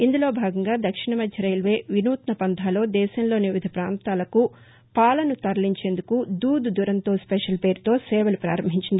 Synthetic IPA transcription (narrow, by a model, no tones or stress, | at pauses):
ind̪ulo̞ːbʱaːɡɐŋɡaːd̪ɐkʂiɳɐmɐd̪ʱjɐɾɐjlʋe̞ːʋinuːt̪nɐpɐnd̪ʱaːlo̞ːd̪ɛːʃɐmlo̞ːniʋid̪ʱɐpɾaːnt̪aːlɐku | paːlɐnut̪ɐɾɐliɲt͡ʃe̞ːnd̪ukud̪uːd̪ud̪uɾɐnt̪o̞ːspɛʂɐlpe̞ːɾut̪o̞ːsɛːʋɐlupɾaːɾɐmbʱiɲt͡ʃind̪ii